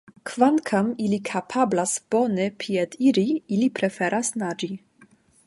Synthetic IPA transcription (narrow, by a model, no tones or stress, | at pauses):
kvankʰamilikʰapʰablasb̥onepʰied̪iɾiilipɾefeɾʔasnad͡ʒi